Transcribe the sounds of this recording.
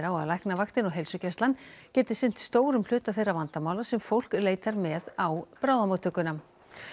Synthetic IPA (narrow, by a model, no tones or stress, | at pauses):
ɾawaðlajhknavakt̪ɪnɔɣɦejlsʏcɛst̪lancɛːt̪ɪ̥sɪn̥t̪st̪oːwɾʏml̥ʏːt̪aθejrːavant̪amawlasɛmfowl̥kleːjt̪aɾmɛðawpɾaːwðamoːt̪ʰʏkʏnam